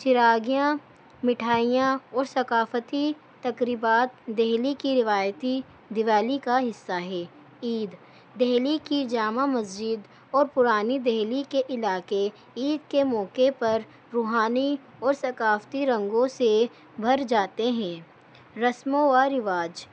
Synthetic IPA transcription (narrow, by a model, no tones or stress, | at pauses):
t͡ʃɪɾaːɡijã | mɪʈʰaːijãɔːɾsɐkaːft̪i | t̪ɐkɾiːbaːt̪̚d̪ɛɦlikiɾɪʋaːjt̪i | d̪ɪʋaːlikaɦɪsːaɦɛː | iːd̪ | d̪ɛɦlikid͡ʒaːmamɐsd͡ʒɪd̪ | ɔːɾpʊɾaːnid̪ɛɦlikeʔɪlaːke | iːd̪kemɔːkepɐɾ | ɾuːɦaːni | ɔːɾsɐkaːft̪iɾɐ̃ŋɡõse | bʱɐɾd͡ʒaːt̪eɦɛ̃ː | ɾɐsmõʋaɾɪʋaːd͡ʒ